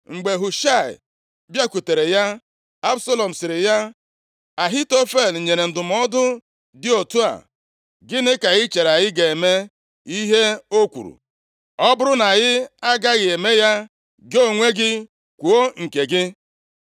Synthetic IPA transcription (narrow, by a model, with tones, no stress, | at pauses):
ŋ͡m̩˨ɡ͡be˨ɦu˨ʃa˦˨ɪ̰˨ | bja˦ku˨te˨ɾe˨ja˦ | a˦bso˦lɔ˨m̩˨sɪ˨ɾɪ˨ja˦ | a˨ɦi˦to˦fe˦˨l̩˨ɲe˨ɾe˨n̩˨dʊ˨m˦ɔ˦dʊ˦ | dɪ˦o˨tu˦a̰˨ | ɡɪ˦nɪ˦ka˨ɣɪ˦t͡ʃe˨ɾa˨ɣɪ˦ɡe˨me˦ | i˦ɦe˦o˦kʷṵ˨ɾṵ˨ | ɔ˦bʊ˦ɾʊ˦na˨ɣɪ˦a˦ɡa˦ɣɪ˨e˨me˦ja˦ | ɡo˦˨ŋʷe˦ɡɪ˦ | kʷu˨o˦ŋ̩˨ke˨ɡɪ˦